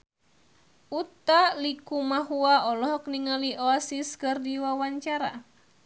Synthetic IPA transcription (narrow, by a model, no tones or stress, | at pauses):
ut̪alikumaɦuaɔlɔɦɔkniŋaliʔɔasiskɨrdiwawaɲt͡ʃaɾa̰